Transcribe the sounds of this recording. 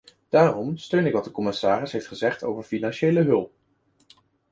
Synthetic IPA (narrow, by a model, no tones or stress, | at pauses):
d̥aːrɔmstøɥnɪkʋɑt̚dəkɔmɪsaːrɪsɦejftχəzɛχto̰wvəɹfinɑnʃejləɦɵlˠp̚